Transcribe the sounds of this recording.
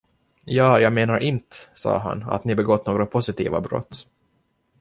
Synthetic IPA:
jɑːjɑːɡmeːnaɾʔɪnt̪ə̥sɑ̰ːɦa̰na̰t̪nɪbɛɡɔt̪ːnoːɡɾapʰʊsɪt̪ḭːvabɾɔ̰t̪ː

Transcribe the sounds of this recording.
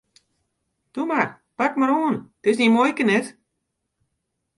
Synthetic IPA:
tumar | pakmaɾoːntɪsnimojkənɛt

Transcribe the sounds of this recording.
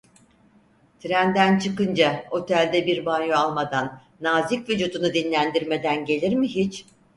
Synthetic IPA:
t̪ʰɾænd̪ænt͡ʃʰɯkɯnd͡ʒao̞t̪ʰælʲd̪ɛbiɾbanjoalˠmad̪anː | aːzikvyd͡ʒuːd̪unud̪inlʲænd̪iɾme̞d̪ænɟe̞lʲiɾmiɦit͡ʃ

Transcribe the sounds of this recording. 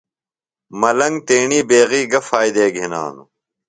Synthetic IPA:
mɐlɐŋɡt̪eːɳiːbeːɣiːɡɐfaːjd̪eːɡʱina̰ːnu

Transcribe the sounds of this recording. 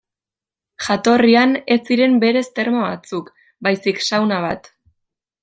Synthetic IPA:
ʝat̪o̞riane̞siɾe̞mbe̞ɾe̞st̪e̞ɾmoβa̰t͡suk | bajsiksawnaβa̰t̪

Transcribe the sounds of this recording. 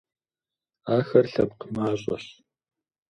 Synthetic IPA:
aːxɐrɬɐp̚qəmaːɕʼɐ̰ɕ

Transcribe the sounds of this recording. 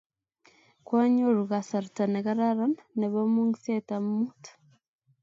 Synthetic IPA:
kwaːɲoɾuɣasaɾutaneɣaɾaɾananeβomuŋisetammutḁ

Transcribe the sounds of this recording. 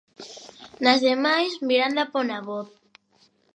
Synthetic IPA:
nazðemajzmiɾand̪aponaβoθ

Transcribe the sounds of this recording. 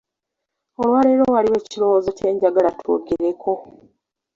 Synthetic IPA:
olwaːle̞ɾo̞waliwe̞ːciɾo̞wozoce̞ːɲɟaɡalatʰo̰ːɡeɾekʰo̞

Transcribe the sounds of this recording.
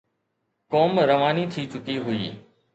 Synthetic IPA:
koːmɾəʋaːnit̪ʰiːt͡ʃʊkiɦʊḭː

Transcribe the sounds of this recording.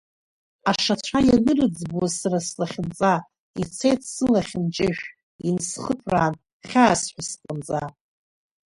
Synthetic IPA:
aʂat͡ɕʷʰajaɡɨrɨd͡zbwazsaɾaslaχʲɪnt͡sʼa | it͡sʰe̞jtʰsɨlaχʲɪnt͡ʃʼɪʒᶣ | insχəpʰraːn | χʲaːsħʷᶣasqʼənt͡sʼa

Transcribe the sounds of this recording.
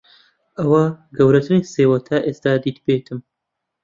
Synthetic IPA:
ɐwaɡɐwɾɐt̪ʰɨneːseːwɐt̪ʰaːʔeːst̪aːd̪iːt̪beːt̪ʰɨm

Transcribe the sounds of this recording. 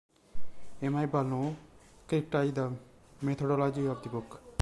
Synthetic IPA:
emajbalnokɾip̚ʈajd̪a | met̪ʰoɖolad͡ʑiab̚d̪ibok

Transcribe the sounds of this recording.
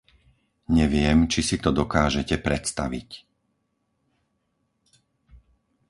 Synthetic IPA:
ɲɛʋɪɛmt͡ʃisit̪ɔd̪ɔkaːʒɛcɛpɾɛt̪st̪aʋḭc

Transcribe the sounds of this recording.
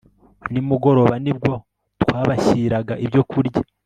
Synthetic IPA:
nimuɡo̞ɾo̞βanib̚ɡwo̞ | tkwaːβaçiɾaɡaʔibjo̞kuɾɟa

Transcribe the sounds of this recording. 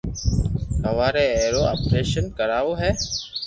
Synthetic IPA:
həʋaːɾɛːeːɾoːa̰ːpɾeːʃənkəɾaːʋoːɦɛː

